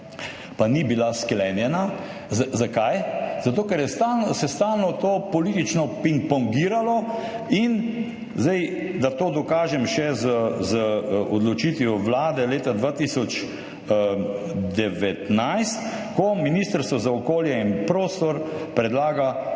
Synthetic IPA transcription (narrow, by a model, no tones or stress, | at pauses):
panibilasklɛnjɛna | zzakajzat̪oːkɛɾjɛst̪alnsɛst̪alnɔt̪oːpɔlit̪it͡ʃnɔpiŋkpɔŋɡiːɾalɔ | in | zd̪ɛjd̪at̪oːd̪ɔkaːʒɛmʃɛzəzəɔd̪lɔt͡ʃit̪ʋjɔʋlaːd̪ɛleːt̪ad̪ʋaːt̪isɔt͡ʃ | d̪ɛʋɛt̪najst̪ | kɔminist̪əɾst̪ʋɔzaɔkoːljɛinpɾoːst̪ɔɾpɾɛd̪laːɡa